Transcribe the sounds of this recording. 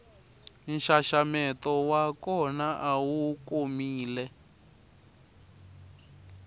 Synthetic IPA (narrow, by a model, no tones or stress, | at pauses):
nʃaʃamɛtɔwakɔnaʔawukomiːlɛ